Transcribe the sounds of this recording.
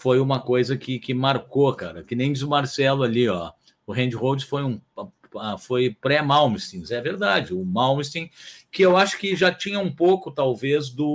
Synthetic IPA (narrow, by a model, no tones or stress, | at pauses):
fojũmɐkojzɐkɪkɪmaɾkoka̰ɾɐkɪnẽj̃d͡ʒɪzʊmaɾsɛlʊaliɔ | ʊɦẽnd͡ʒɪʁowd͡ʒɪsfojũ | afojpɾɛmawmist̪ĩzɛveɾd̪ad͡ʒɪʊmawmist̪ĩkɪewaʃʊ̥kɪʒat͡ʃĩɲɐũpowkʊt̪awvezd̪ʊ